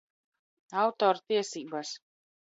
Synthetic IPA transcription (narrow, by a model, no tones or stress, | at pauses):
awt̪ɔːɾt̪iɛsiːbas